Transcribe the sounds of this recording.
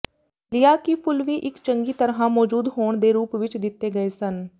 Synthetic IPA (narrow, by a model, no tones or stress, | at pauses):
lɪjaːkipʰʊlʋiːʔɪkt͡ʃəŋɡiːt̪əɾɦãːmɔːd͡ʒuːd̪ɦoːɳd̪eːɾuːpʋɪt͡ʃd̪ɪt̪ːeːɡəeːsən